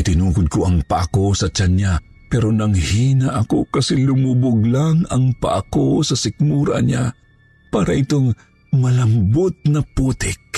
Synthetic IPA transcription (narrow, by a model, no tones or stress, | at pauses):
ʔɪt̪ɪnuːkʊd̪̚koʔɐŋpɐʔɐko̞sɐt͡ʃanɲa | pɛɾonɐŋhiːnɐʔɐko̞kɐsɛlʊmubʊɡlaŋɐŋpa̰ʔɐkosɐsɪk̚muːɾɐ̰ɲa | paːɾɐʔɪt̪oŋ | mɐlɐmbʊt̪̚nɐpuːt̪ɪk̚